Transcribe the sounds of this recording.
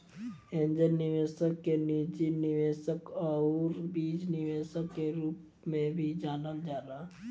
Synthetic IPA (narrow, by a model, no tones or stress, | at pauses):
ẽɲd͡ʒənːɪʋeːsəkːenid͡ʒinɪʋeːsəkɔɾbiːd͡ʒnɪʋeːsəkːeɾuːp | mẽbʱid͡ʒaːlənd͡ʒaːla